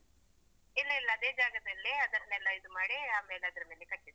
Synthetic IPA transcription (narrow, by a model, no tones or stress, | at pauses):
ilːɐilːɐːd̪eːd͡ʒaːɡɐd̪ɐlːiɐd̪ɐɾɐnɛlːɐid̪umaːɽiaːmeːleɐd̪ɾɐmeːlekɐʈːid̪